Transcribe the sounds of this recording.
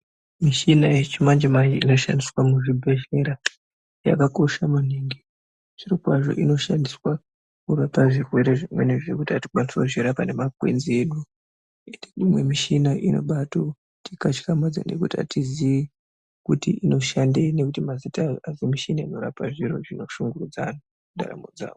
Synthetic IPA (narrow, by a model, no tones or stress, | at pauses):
miʃinajet͡ʃimand͡ʒemajiino̞ʃa̰ndiswamuʐibʱe̞ʃe̞ɾa | ja̰kako̞ʃamuniŋɡi | ʐirikwaʐo̞̰ʔino̞ʃandiswa | kurapaʐirwe̞ɾe̞ʐimwe̞̰neʐekutiati̥kwaniswauʐiɾapane̞makwe̞̰nzieɗu | eneimwe̞miʃinaʔino̞̰ɓato | tʰikat͡ʃi̥kamad͡za̰ne̞̰kutia̰tiziʋi | kutiʔino̞ʃandene̞kutimazitaazemiʃinaino̞ɾapaʐiro̞̰ʐino̞ʃuŋɡurud͡zana | kuda̰ra̰mod͡za̰ːo